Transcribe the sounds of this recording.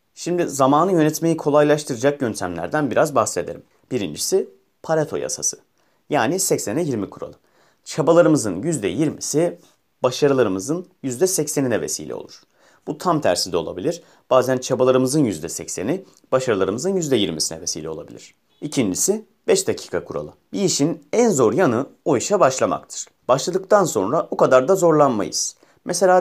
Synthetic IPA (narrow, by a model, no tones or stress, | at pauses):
ʃimd̪izamaːnɯjø̞nɛt̪mejikʰo̞lˠajlˠaʃt̪ʰɯɾɯd͡ʒak̚jønt̪ʰæmlʲæ̰ɾd̪ænbiɾazbaxse̞d̪e̞ɾim | b̥iɾḭnd͡ʒisi | pʰaɾat̪ʰo̞̰ja̰sasɯ̥ | jaːnisɛcsenɛjiɾmikʰuɾo̰lˠɯ | t͡ʃʰabalˠaɾɯmɯzɯnjyzd̪ɛjiɾmisi | baʃaɾɯlˠaɾɯmɯzɯnjyzd̪ɛsɛcseninɛve̞̰sḭːlʲʔɛ̰o̰lˠuɾ̥ | b̥ut̪ʰamt̪ʰæ̰ɾsind̪ɛo̞lˠa̰bilʲiɾ̥ | b̥aːzænt͡ʃʰabalˠaɾɯmɯzɯnjyzd̪ɛsɛcseni | b̥aʃaɾɯlˠaɾɯmɯzɯnjyzd̪ɛjiɾmisinɛ̰vesḭːlʲɛolˠabḭlʲḭɾ̥ | icʰind͡ʒisi | bɛʃd̪acʰi̥ːkʰakʰuɾa̰lˠɯbiiʃinænzo̞ɾjanɯojʃabaʃlˠama̰kt̪ʰɯ̥ɾ̥ | b̥aʃlˠad̪ɯk̚t̪ʰanso̞nɾabukad̪aɾd̪azo̞ɾlˠanma̰jɯ̰z̥ | mʔɛse̞lʲaː